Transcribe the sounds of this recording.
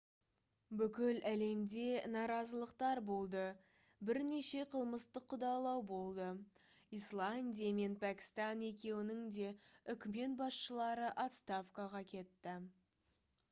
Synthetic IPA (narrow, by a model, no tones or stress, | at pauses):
bʏkʲɪlæle̞md̪e̞nɑɾɑzəlˠəqt̪ɑɾbo̞lˠd̪ə | bɪɾne̞ʃe̞qʰəlˠməst̪əqʰːʊd̪ɑlˠɑwbo̞lˠd̪ə | ijslˠanʲd̪ʲijame̞npʰækʲɪ̥st̪ɑne̞k̬ʲe̞wɪnɪŋd̪e̞ʏkʲme̞t̪bɑsʃəlˠɑɾəʔat̪st̪afkɑʁɑkʲʰe̞t̪ːɪ